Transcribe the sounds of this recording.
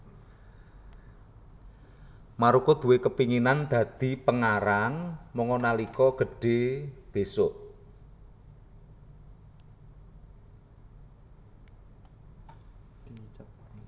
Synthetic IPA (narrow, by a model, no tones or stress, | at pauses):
maɾukud̪̥ṳwekəpiŋinand̪̥ä̤d̪̥i̤pəŋaɾaŋmɔŋɔnalikɔɡ̥ə̤ɖ̥e̤b̥e̤sʊʔ